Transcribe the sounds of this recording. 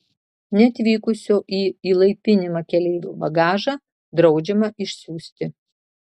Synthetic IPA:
nʲɛɐt̪ʲʋʲiːkʊsʲoːʔiːiːlˠɐɪpʲɪnʲɪmɐkʲɛlʲɛɪʋʲṵːbɐɡɑːʒɑ | d̪ɾɒʊd͡ʒʲɛmɐɪʃʲsʲuːsʲt̪ʲɪ

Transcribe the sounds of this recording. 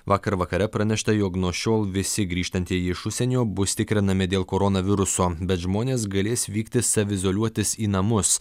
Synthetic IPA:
ʋɑːkɐɾʋɐkɐɾʲɛpɾɐnʲɛʃt̪ɐjoːknuɔʃʲoːlˠʋʲɪsʲɪɡɾʲiːʃt̪ɐnʲt̪ʲiɛjɪʃʊʃʲsʲɛnʲoːbʊst̪ʲɪkɾʲɪnɐmʲɪd̪ʲeːlˠkoːɾɔnɐʋʲɪɾʊsoːbʲɛt̪ʒmoːnʲeːs̬ɡɐlʲeːsʋʲiːkt̪ʲɪsɐʋʲɪzolʲuɔt̪ʲɪsiːnɐmʊs

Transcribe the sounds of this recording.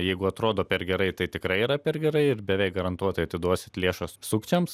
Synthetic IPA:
jɛɪɡʊɐt̪ɾoːd̪oːpʲɛɾɡʲɛɾɐɪt̪ɐɪt̪ʲɪkɾɐɪiːɾɐpʲɛɾɡʲɛɾɐɪɪɾbʲɛʋʲɛɪk̚ɡɐɾɐnt̪uɔt̪ɐɪɐt̪ʲɪd̪uɔsʲɪt̪lʲeːʃɐssʊkt͡ʃʲɛms

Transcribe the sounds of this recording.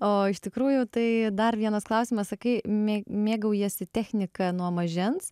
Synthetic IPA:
oːɪʃt̪ʲɪkɾuːjʊt̪ɐɪd̪ɐrʋʲiɛnɐsklˠɐʊsʲɪmɐssɐkɐɪmʲemʲeːɡɐʊjiɛsʲɪt̪ʲæːxʲnʲɪkɐnuɔmɐʒʲɪns

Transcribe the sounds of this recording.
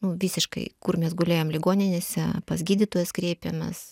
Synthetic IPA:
nʊʋʲiːsʲɪʃkɐ̰ɪkʊrmʲɛsɡʊlʲeːjoːmlʲɪɡoːnʲɪnʲeːsʲɛpɐsʲɡʲiːd̪ʲit̪oːjɛskɾʲeːpʲemʲɛ̰s

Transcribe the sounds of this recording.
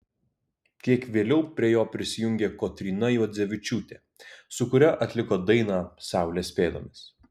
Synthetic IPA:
k̪ʲiɛkʋʲeːlʲɛʊpʲɾʲiɛjoːpʲɾʲɪsʲɪjʊŋʲɡʲeːkoːt̪ʲɾʲiːnɐjuːd̪zʲɛʋʲɪt͡ʃʲuːt̪ʲeː | sʊkʊɾʲɛʔɐt̪ʲlʲɪkoːd̪ɐɪnɑːsɑˑʊlʲeːsʲpʲeːd̪o̰ːmʲɪs

